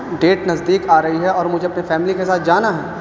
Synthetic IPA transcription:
ɖeːʈnɐzd̪iːkaːɾɐɦiɦɛɔːɾmʊd͡ʒʱeɐpnefɛːmlikesaːt̪̚ʰd͡ʒaːnaɦɛː

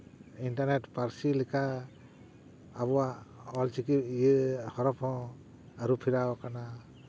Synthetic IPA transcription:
inʈaɾnetpaɾsilikʰa | βɔwaɔlt͡ʃikijehɔɾɔpʰɔ̃ | aɾupʰiɾakana

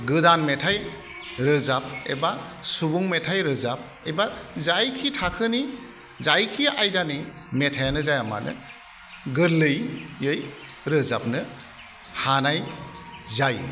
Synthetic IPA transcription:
ɡɯdanmetʰaj | ɾɯzap̚ḛbasubuŋmetʰajɾɯzap̚ | ebazajkʰitʰakʰɯni | zajkʰiajdanimetʰajanɯzajama̰nʔɯ̰ | ɡɯɾlɯjjɯjɾɯzap̚nɯ | hanaj | zaj

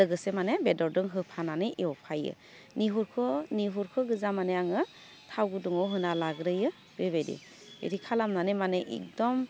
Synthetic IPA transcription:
lɯɡɯsemanebedɔɾdɯŋɦɯpʰananɯjʔewpʰajɯ̰ | niɦuɾkʰɯniɦuɾkʰɯɡɯzamaneaŋɯ | tʰawɡɯduŋɔwɦɯnalaɡɾɯjɯ | beβedḭ | ḛɾikʰalamnanemaneʔɛ̰k̚dɔm

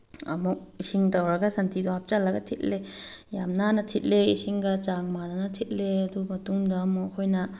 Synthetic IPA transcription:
ɐ̰muk̚isiŋtɐwɾɐɡɐsantʰidɔɦap̚t͡ʃalːɐɡɐtʰit̚lejamnanɐtʰit̚leisiŋɡɐt͡ʃaŋmananɐtʰit̚leɐdumɐtuŋdɐmukʰojnɐ

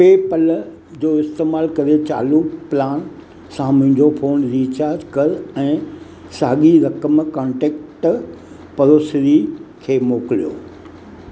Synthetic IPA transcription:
peːpəl | d͡ʑoːɪst̪eːmaːlkɐɾet͡ɕa̰ːluːplaːn | sãmʊ̃ɦɪ̃ɲd͡ʑofʰoːnɾiːt͡ɕaːɾd͡ʑkɐɾɛ̃ː | sa̰ːɠiɾɐkəmkãːɳʈeːkʈ | pɐɾoːsɾikʰeːmoːklijo̰ː

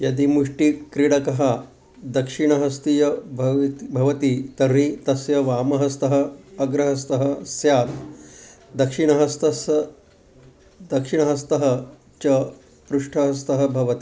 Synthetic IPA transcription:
jɐd̪imuʂʈikɾiɽɐkɐɦa | d̪ɐkʂiɳ̃ɐɦɐst̪ijɐbʱɐbʱɐʋɐt̪it̪ɐɾĩt̪ɐsjɐʋaːmɐɦɐst̪ɐɦɐːɡɾɐɦɐst̪ɐɦɐsjaːt̪ | d̪ɐkʂiɳɐɦɐst̪ɐs | d̪ɐkʂiɳ̃ɐɦɐst̪ɐɦɐ | t͡ɕɐ | pɾuʂʈʰɐɦɐst̪ɐɦɐ̆bʱɐʋɐt̪i

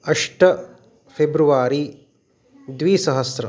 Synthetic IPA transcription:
ɐʂʈɐ | pʰebɾuʋaːɾi | d̪ʋiːsɐɦɐsɾɐ

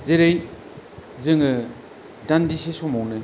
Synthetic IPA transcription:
zeɾej | zɯŋɯ | dandisesomɔwnɯ

